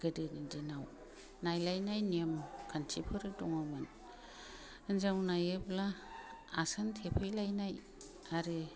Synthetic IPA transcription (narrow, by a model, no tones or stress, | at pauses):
ɡ̥ɯdɯnindinaw | najlajnajniemkʰansʰipʰɯɾɯdɔŋawmɯn | ɯnzawnajɯblaasantʰepʰɯjlajnaj | aɾɯ